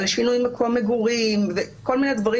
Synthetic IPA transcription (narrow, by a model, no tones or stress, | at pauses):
leʃinujimekʰomeɡuʁimveko̞lmined̪vaʁi